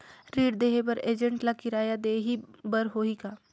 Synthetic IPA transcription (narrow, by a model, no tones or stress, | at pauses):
ɾiːɽd̪eːɦebɐɾeːd͡ʒə̃ɳʈlakɪɾaːjad̪eːɦibɐɾɦoːikaː